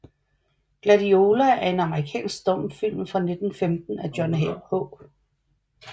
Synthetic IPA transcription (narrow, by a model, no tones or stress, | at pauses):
ɡ̥lædio̝ːlæʔæɐe̝nɑ̈məʁikʰɛ̰ːnsɡ̥d̥ɔm̰fil̰mfʁɑ̈ne̝d̥n̩femd̥n̩æd̥jɒnɦehɔ̰ː